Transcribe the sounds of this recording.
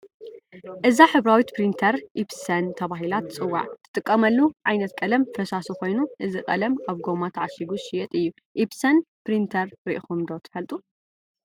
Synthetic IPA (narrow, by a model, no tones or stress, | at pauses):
ʔɨzaħɨβɾawit̪pɾint̪ʰɐɾʔiβsɐnt̪ʰɐβaɦilat̪t͡sʼɨwːa̰ʕt̪ʰɨ̥t̪ʼɨkʼːɐmɐlːuʕajnɐt̪̚kʼɐlɐmfɐsasuko̞jnuʔɨzikʼɐlɐmaβɡo̞mat̪ʰɐʕaʃiɡuʃijɛt̪ʼɨjːu | ʔibsɐnpɾint̪ʰɐɾɾiʔxumd̪ot̪ʰɨ̥fɐlt̪ʼu